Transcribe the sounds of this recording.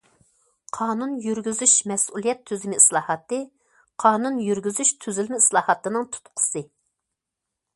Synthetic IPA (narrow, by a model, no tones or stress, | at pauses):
qʰɑːnunjyɾɡʲyzyʃmɛsulˠijɛt̪ʰːyzɪmɪislˠɑːhɑt̪ɨ | qʰɑːnunjyɾɡʲyzyʃt̪ʰyzylmɪislˠɑːhɑt̪ɨnɨŋt̪ʰu̥t̪qʰʊ̥sɨ